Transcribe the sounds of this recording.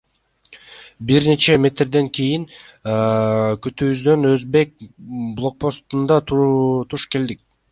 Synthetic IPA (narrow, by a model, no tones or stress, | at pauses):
biɾne̞t͡ʃe̞mʲe̞t̪rd̪e̞ŋkʲijiŋ | kyt̪yːβyzd̪ø̞nøzbe̞k̚blˠo̞k̚po̞st̪und̪ɑt̪t̪ʰuʃke̞ld̪ik̚